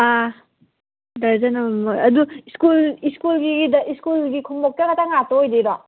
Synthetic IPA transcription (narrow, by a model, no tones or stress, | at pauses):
a | dɐɾzɐnɐmaɐduiskuliskulɡiɡidɐiskulɡikʰumbɔk̚takɐtaŋatoːjdeɾa